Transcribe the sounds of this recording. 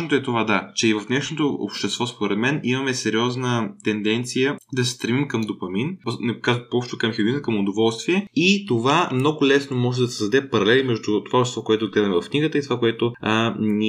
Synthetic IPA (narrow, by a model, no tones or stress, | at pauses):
not̪oɛt̪ovad̪at͡ʃɛivɐfnɛʃnot̪oo̰pʃt̪ɛst̪vɔspoɾɛd̪mɛnimɐmɛsɛɾiɔznət̪ɛnd̪ɛnt̪sijəd̪ɐsɛst̪ɾɛmimkɐmd̪opɐminnɛkazpoɔpʃt̪t̪okɐmxʲɪɡʲinkɐmʊd̪ovɔlˠst̪viɛit̪ovamnɔɡʊlɛsnomɔʒɛd̪ɐsəzd̪ɐd̪ɛpɐɾɐlɛlimɛʒd̪ʊt̪ovaɔpʃt̪ɛst̪vɔkoɛt̪ʊɡlɛd̪ɐmɛvɐfkniɡət̪əit̪ovakoɛt̪ʊni